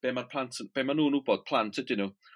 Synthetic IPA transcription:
b̥emarpʰlˠantʰb̥emanuːnuːboːd̥̚pʰlˠantʰɛdɪnu

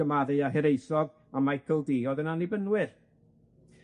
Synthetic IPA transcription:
əmaðɨaɦɛɾejsɔv | amajkʰəlˠdiːɔðənanibənwɨr

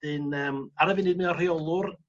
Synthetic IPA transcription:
ɨnəːmaɾəvɪnɨdmɪnɔriɔlˠʊr

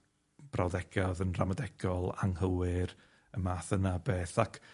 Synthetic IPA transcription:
b̥rawðɛɡ̥ɔðənramadɛɡ̥ɔlˠa̰ŋhəwɨɾ | əmaθənabeːθakʰ

